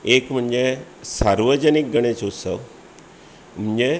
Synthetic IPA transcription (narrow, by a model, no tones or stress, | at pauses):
ekm̤əɳd͡ʑesaɾʋəd͡ʑənik̚ɡəɽ̃et͡sosəʋ | m̤əɳd͡ʑe